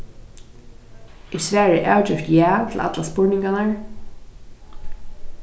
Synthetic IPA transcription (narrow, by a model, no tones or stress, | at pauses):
ɪsʋæːɹəʔa̰ːwd͡ʒɪft̪jæːt̪ʰɪl̩ʔa̰t̪laspʊɹnɪŋkanaɹ